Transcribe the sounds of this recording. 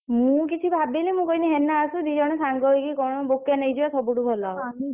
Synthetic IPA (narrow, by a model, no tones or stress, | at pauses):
mũkit͡ʃʰibʱabelemũkɔiniɦenaːsũd͡ʒid͡ʒɔɽ̃ɔsaŋɡɔɦjkikɔw̃ɔɔbokːenejd͡ʒiasɔbuʈubʱɔlɔ